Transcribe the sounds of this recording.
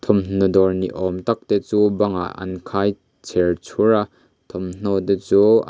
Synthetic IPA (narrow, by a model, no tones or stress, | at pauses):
t̪ʰɔmn̥ɔd̪ɔɹnḭʔɔmt̪ɐk̚t̪et͡subɐŋa̰ʔɐ̰nkʰaj | t͡sʰeɹt͡sʰuɾa | t̪ʰɔmn̥ɔd̪et͡su